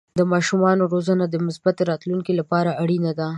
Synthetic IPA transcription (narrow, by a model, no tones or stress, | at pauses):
d̪əmɑʃumɑnoɾozanad̪əmɪsbat̪eɾɑt̪luŋkilapɑɾaaɽinad̪a